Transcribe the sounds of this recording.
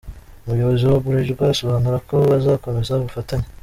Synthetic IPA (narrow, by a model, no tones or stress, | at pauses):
umujo̞βoziwoβuɾeʒibɡaso̞βaːnuɾako̞βazaːko̞me̞zaβufataɲe